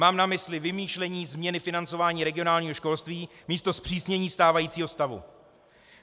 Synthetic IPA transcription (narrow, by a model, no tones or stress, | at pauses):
maːmnamɪslɪvɪmiːʃlɛɲiːzmɲɛnɪfɪnant͡so̞vaːɲiːɾɛɡɪo̞naːlɲiːɦoʃko̞lst̪viːmiːst̪o̞spr̥iːsɲɛɲiːst̪aːvajiːt͡siːɦo̞st̪avṵ